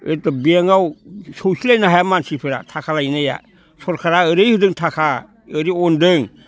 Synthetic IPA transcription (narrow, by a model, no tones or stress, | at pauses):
ɯtɔbiaŋawsowsilajnaɦajamansipʰɯɾa̰tʰakʰalajnaja̰ | sʰɔɾkʰaɾaɯɾɯjhɯdɯŋtʰakʰa | ɯɾiɔndɯŋ